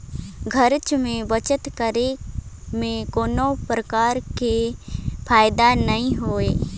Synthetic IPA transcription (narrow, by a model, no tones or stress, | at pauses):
ɡʱəɾt͡ʃmẽbət͡ʃət̪kəɾe | mẽkoːnopɾəkaːɾkepʰaːjɪd̪anəɦĩɦoːeː